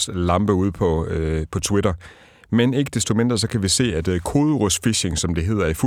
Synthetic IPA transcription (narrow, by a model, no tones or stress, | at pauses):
slɑ̈mb̥əuð̞̰ˠpʰɒ̽pʰɒ̽t͡sʰweɾɐ | mene̝ɡ̥əd̥e̝sd̥o̝me̝nd̥ʁɐs̬ɒ̽kʰæʋise̝̰ːæd̥kʰo̝ːðˠəʁosfiɕe̝ŋsɒ̽md̥e̝ɦe̝ð̰ˠɐifu